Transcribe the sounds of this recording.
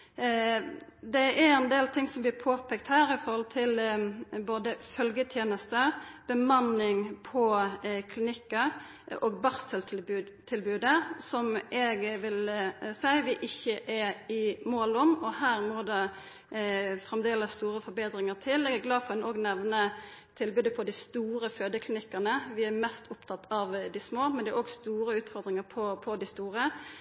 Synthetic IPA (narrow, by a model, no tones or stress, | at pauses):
d̪ɛʔæɾɛnd̪eːlt̪ʰɪŋsɔmblɪːpʰoːpʰɛːk̚t̪hæːɾɪfɔɾhɔlt̪ʰɪlboːd̪əfœlɡət̪ʰjeːnəst̪əb̥əmɑnːɪŋpʰɔkʰlɪnɪkːɑ | ʔoːɡbɑʁsəlbʉ | t̪ʰɪlbʉːd̪əsɔmʔɛɡʋɪlsæɪʋɪʔɪçːəʔæɪmoːlʊmɔɦæːɾmɔːd̪ɛ | fɾɛmd̪eːləsst̪uːɾəfɔɾbeːd̪ɾɪŋəʁt̪ʰɪlːɛɡæɡlɑːfɔɾɛnoːɡnɛʋnə | t̪ʰɪlbʉːd̪əpʰɔd̪ɪst̪uːɾəføːd̪əkʰlɪnɪkːɑnəʋɪæɾmɛst̪ʰʊpt̪ʰɑt̪ʰːɑʋd̪ɪsmoːmɛnd̪ɛæɾoːɡst̪uːɾəʉːt̪fɔɾd̪ɾɪŋəɾpʰɔpʰɔd̪ɪst̪uːɾə